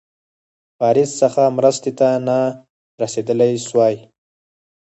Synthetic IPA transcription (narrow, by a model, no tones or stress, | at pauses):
pɑːɾɪsːəxamɾəst̪et̪ana | ɾased̪əlajswɑj